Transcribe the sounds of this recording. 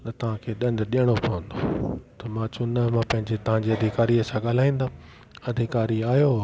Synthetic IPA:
nɐt̪ɐʋ̤ãkʰeːɗɐnɗijəɽ̃opɐʋə̃nd̪ot̪ɐmãt͡ɕʊnəmãpɐ̃ɦɪ̃ɲd͡ʑet̪ɐʋ̤ãɲd͡ʑiɐd̪ʱɪkaːɾiəsãɠaːl̤aːĩːn̆d̪a | ɐd̪ʱɪkaːɾiaːɦjo

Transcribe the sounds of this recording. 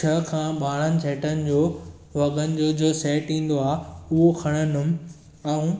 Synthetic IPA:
t͡ɕʰɐkʰãːɓaːɽənɪ̆t͡ɕʰeːʈənɪ̆d͡ʑoː | ʋɐɡənɪ̆d͡ʑoːd͡ʑoːseːʈĩːn̆d̪oaːʊɦokʰɐɽ̃ənʊm | ɛ̃ũ

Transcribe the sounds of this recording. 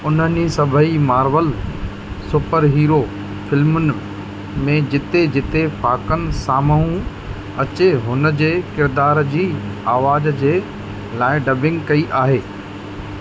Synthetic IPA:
ʊnənisɐbʱəimaːɾʋəl | sʊpəɾɦiːɾo | fɪlmʊnɪ̆ | mẽd͡ʑɪt̪ed͡ʑɪt̪efʰaːkənɪ̆saːməɦũ | ɐt͡ɕeɦʊnəd͡ʑeːkɪɾd̪aːɾd͡ʑiːaːʋaːd͡ʑd͡ʑeː | laːɪɖɐbʱɪ̃ŋɡkɐiʔaːɦeː

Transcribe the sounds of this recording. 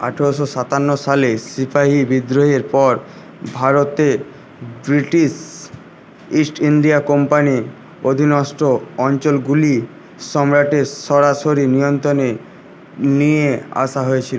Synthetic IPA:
a̰ʈʰeoʃoʃat̪anːoʃalesipʰaɦibid̪ɾoɦeɾpɔɾ | bʱaɾot̪e | bɾiʈiʃ | isʈiɳɖiakɔmpani | od̪ʱinɔsʈoɔnt͡ɕolɡuli | ʃɔmɾaʈeʃɔɾaʃoɾinijont̪ɾone | niea̰ʃaɦoet͡ɕʰilo

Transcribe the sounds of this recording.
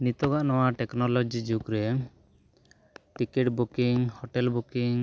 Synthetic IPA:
nit̪ɔɡaʔnɔwaʈɛknɔlɔd͡ʒid͡ʒukɾɛ | ʈikɛʈbukiŋhɔʈɛlbukiŋ

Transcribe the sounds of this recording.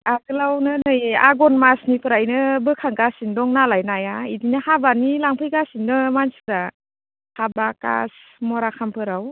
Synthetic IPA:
aɡɯlawnɯnɯja̰ɡɔnmasnipʰɯɾajnɯbɯkʰaŋkasindɔŋnalajnajaidinahabanilaŋpʰɯjkasinːɯmansɯɾa | habaka̰smɔɾakʰampʰɯɾaw

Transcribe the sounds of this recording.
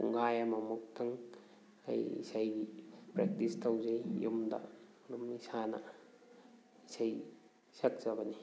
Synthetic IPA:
ṵŋɡajamɐmuk̚tʰɐŋ | ɐ̰jḭsajɡipɾek̚tistʰawzajjumdɐ̰ | numisanɐ̰ | isaj | sɐk̚z̥ɐbɐni

